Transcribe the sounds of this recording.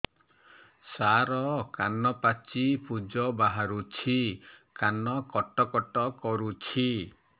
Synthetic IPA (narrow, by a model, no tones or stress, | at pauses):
saɾɔkanɔpat͡ʃipud͡ʒɔbaɦaɾut͡ʃʰikanɔkɔʈɔkɔʈɔkɔɾut͡ʃʰi